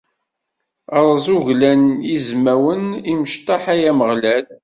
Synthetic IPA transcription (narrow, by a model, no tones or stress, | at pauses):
ɑɾˤzˤuʝlænjizmæwəniməʃt̪ˤɑħæjæməʁlæl